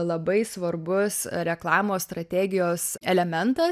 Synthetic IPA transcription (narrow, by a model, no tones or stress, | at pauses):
lˠɐbɐɪsʋɐrbʊsɾʲɛklˠɑːmoːst̪ɾɐt̪ʲæːɡʲɪjoːsɛlʲɛmʲɛnt̪ɐ